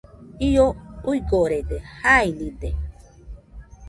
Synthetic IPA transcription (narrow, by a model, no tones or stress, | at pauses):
ioujɡoɾed̪ehainĩd̪e